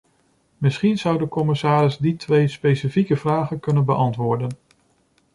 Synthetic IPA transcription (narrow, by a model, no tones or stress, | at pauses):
mɪsχinz̥ʌwdəkɔmɪsaːɾɪzditʋejspejsifikəvraːχənkɵnənbəʔɑntʋʊːɹdən